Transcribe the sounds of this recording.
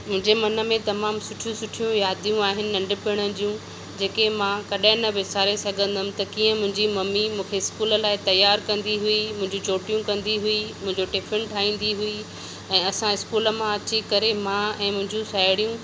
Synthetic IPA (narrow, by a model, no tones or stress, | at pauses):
mʊ̃ɦɪ̃ɲd͡ʑemɐnə̆mẽt̪ɐmaːmsʊʈʰijũsʊʈʰijũjaːd̪ʱijũaːɦɪnɪ̆ːɐ̃ɳɖɪpɪɽ̃əd͡ʑijũ | d͡ʑeːkemãkɐɗaɦɪ̃nɐbɪsaːɾesɐɡʱə̃nd̪ʱəmɪ̆t̪ɐkiːə̃mʊ̃ɦɪ̃ɲd͡ʑimɐmimũːkʰeɪskuːləlaːɪt̪ɐjaːɾkɐ̃nd̪iɦuimʊ̃ɦɪ̃ɲd͡ʑũt͡ɕoːʈijũkɐ̃nd̪iɦuimʊ̃ɦɪ̃ɲd͡ʑoʈefʰɪnʈʰaːĩːn̆d̪iɦui | ɛ̃ːɐsãɪskuːlə̆mãɐt͡ɕikɐɾemãɛ̃ːmʊ̃ɦɪ̃ɲd͡ʑũsaːɪɽijũ